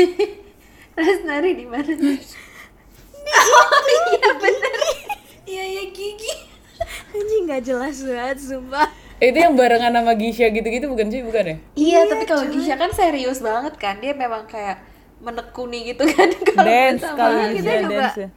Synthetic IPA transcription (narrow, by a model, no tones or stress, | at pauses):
rasnaɾidimanana | it̪abənər | ijajaɡiɡi | aɲd͡ʒiŋɡad͡ʒəlasat̪̚sumpait̪ujaŋbaɾaŋanːamaɡiʃaɡit̪uɡit̪ubukansibukanɛijat̪apikaloɡiʃiakanseɾiʊsbaŋət̪̚kandiamemaŋkajaʔ | mənəkuniɡit̪ukankaldɛnsaakalkit̪ad͡ʒuɡa